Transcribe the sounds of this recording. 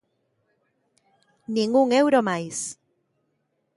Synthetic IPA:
nĩŋɡuŋewɾomajs

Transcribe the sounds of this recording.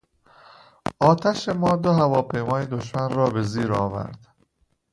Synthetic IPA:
ɒːt̪ʰæʃemɒːd̪oɦævɒːpʰe̞jmɒːjed̪oʃmænrɒːbe̞ziːɾɒːvæ̰ɾd̪̥

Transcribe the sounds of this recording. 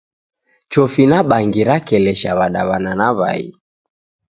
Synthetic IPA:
t͡ʃɔfinaɓaŋɡiɾakɛlɛʃaβaɗaβananaβa̰ḭ

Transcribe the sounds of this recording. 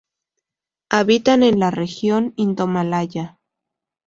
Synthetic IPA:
aβit̪anenlarexjonind̪omalaja

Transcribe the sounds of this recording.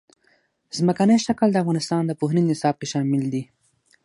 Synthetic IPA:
zməkanəjʃakəld̪əafɣɑnɪst̪ɑnd̪əpoɦninɪsɑb̚keʃɑmɪld̪i

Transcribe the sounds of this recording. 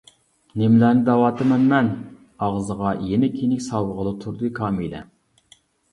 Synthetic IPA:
nemlæːnɪd̪ɑwɑːt̪ɨmɛnmɛn | ɑʁzəʁɑjenɪkʲʰinɪkʲsɑwəʁəlˠɨt̪ʰuɾd̪ɨkʰɑːmilɛ̰

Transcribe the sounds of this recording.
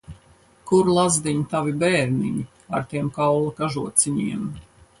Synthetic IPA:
kuɾlˠazd̪iɲit̪avibɛːɾniɲi | aɾt̪iɛmkawlˠakaʒuɔt̪siɲiɛm

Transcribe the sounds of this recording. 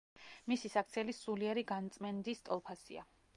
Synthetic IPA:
misisak̚ʰt̪sʰiɛlisuliɛɾiɡant̪sʼmɛnd̪ist̪ʼɔlˠpʰasḭa̰

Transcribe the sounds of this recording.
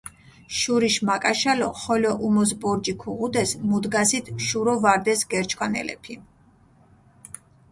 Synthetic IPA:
ʃuɾiʃmakʼaʃalɔχɔlɔʔumɔs̬bɔɾd͡ʒikʰuʁud̪ɛsmud̪ɡasit̪ʰʃuɾɔvaɾd̪ɛsɡɛɾt͡ʃʰʼkʰʼwanɛ̰lɛ̰pʰi

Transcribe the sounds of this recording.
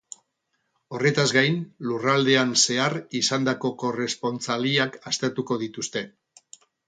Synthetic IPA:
o̞re̞t̪azɡajnlurald̪e̞anse̞arisand̪ako̞ko̞re̞spo̞nt͡saliakast̪eɾt̪uko̞ð̞it̪ust̪e̞

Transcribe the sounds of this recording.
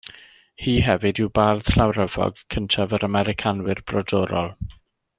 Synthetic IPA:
hiːɦɛvɨdɪwbartʰrawɾəvɔ̰ɡkʰəntʰavəɾəmɛɾɪkʰanwɪrb̥rɔdɔɾɔ̰lˠ

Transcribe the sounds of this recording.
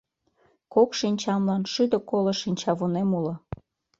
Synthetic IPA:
kokʃinʲt͡ɕɑmlɑnʃyd̪ə̆koləʃinʲt͡ɕɑβonemulŏ

